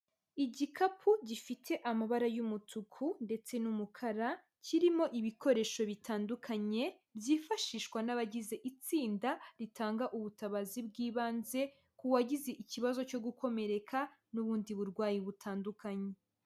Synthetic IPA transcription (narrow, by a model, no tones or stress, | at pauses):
iɟikʰapʰuɟifitʰe̞ʔamaβaɾajumutukʰunde̞t͡se̞numukʰaɾa | cʰiɾimo̞ʔiβiko̞ɾe̞ːʃo̞βitaːndukʰaɲe̞ | bjiːfaʃiːʃwanaβaɟize̞ʔit͡siːndaɾitʰaːŋɡaʔuβutaβazibɡiːβaːnze̞ | kuwaɟize̞ʔiciβazo̞t͡ʃo̞ɡuko̞me̞ɾe̞kʰanuβuːndiβuɾɡwaːjiβutʰaːndukʰaɲe̞